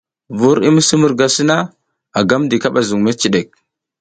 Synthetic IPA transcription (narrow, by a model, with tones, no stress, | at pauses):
vu˦ɾḭ˦mə˦si˦mu˨ɾɡa˨si˦na˦ | a˨ɡa˦mdi˨ka˦ɓa˨zu˨ŋma˦t͡ʃi˨ɗe˨k̚